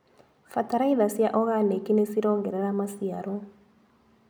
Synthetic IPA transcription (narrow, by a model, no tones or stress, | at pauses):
fataɾaiðasjaʔɔɣanekinesiɾɔːɡeɾeɾamasiaɾo